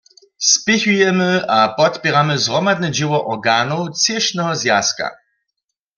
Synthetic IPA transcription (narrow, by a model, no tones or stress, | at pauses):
spɪçujɛmɪapɔt̪pʲjɛʁamɨzʁɔmad̪̚nɛd͡ʑɪwɔʔɔʁɡaːnowt͡sɪʃnɛɦɔzjaska̰